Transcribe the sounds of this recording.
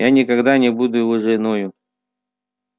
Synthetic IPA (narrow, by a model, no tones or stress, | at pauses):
janʲɪkɐɡd̪anʲɪbud̪ʊlˠɨʐɨɪnojʊ